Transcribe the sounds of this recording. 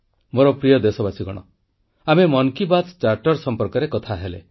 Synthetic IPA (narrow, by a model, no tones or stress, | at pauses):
moɾɔpɾijɔd̪esɔbasiɡɔɽ̃ɔ̰ | amemɔŋkibat̪t͡ʃaɾʈɔɾsɔmpɔɾkɔɾekɔt̪ʰaɦelḛ